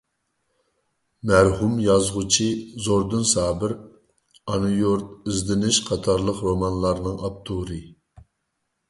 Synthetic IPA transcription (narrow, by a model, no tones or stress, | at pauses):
mæɾhumjɑzʁʊt͡ʃʰizoɾd̪ɨnsɑːbɪɾ | ɑnujoɾt̪̚izd̪ɪnɪʃqʰɑt̪ʰɑɾlˠəqɾomɑnlˠɑɾnɨŋɑp̚t̪ʰuɾɨ